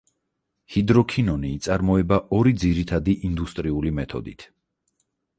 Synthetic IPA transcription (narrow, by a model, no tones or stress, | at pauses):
hid̪ɾɔkʰinɔniːt̪sʼaɾmɔɛbaʔɔɾid̪ziɾit̪ʰad̪iʔind̪ust̪ʼɾiulimɛt̪ʰɔ̰d̪ḭt̪ʰ